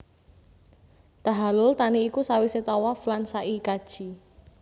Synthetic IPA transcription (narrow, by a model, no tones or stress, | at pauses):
t̪aɦalʊlt̪aniːkusawiset̪ɔwaflansaʔikad̥ʒ̥i